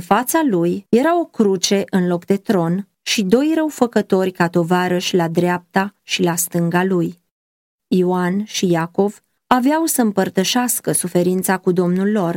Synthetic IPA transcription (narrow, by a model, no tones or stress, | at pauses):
ɨnfat̪salujje̞ɾao̞kɾut͡ʃe̞ʔɨnlo̞kd̪e̞t̪ɾo̞n | ʃid̪o̞jrəwfəkət̪o̞rʲkat̪o̞vaɾəʃlad̪ɾeap̚t̪aʃilast̪ɨŋɡaluj | ioanʃijako̞v | aveawsəɨmpərt̪əʃaskəsufe̞ɾint̪sakud̪o̞mnulːo̞r